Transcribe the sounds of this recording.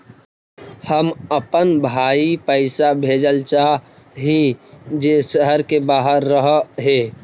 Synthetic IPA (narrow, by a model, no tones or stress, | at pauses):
həməpənbʱaːipəɪsabʱeːd͡ʒəlt͡ʃa | ɦid͡ʒeːsəɦəɾkebaːɦəɾːəɦɦeː